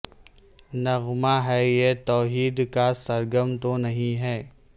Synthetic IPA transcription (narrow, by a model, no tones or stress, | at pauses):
nɐɣmaɦɛjet̪ɔːɦiːd̪kasɐɾɡəmt̪onɐɦĩɦɛː